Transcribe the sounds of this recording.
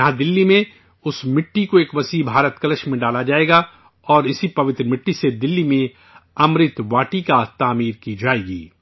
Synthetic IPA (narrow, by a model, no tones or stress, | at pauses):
ɐɦãd̪ɪlːimẽ | ʊsmɪʈːikoeːkʋɐsiːbʱaːɾət̪kɐləʃmẽɖaːlad͡ʒaːeːɡa | ɔːɾɪsipɐʋɪt̪ɾəmɪʈːised̪ɪlːimẽ | ɐmɾɪt̪ʋaːʈikat̪aːmiːɾkid͡ʒaːeːɡḭː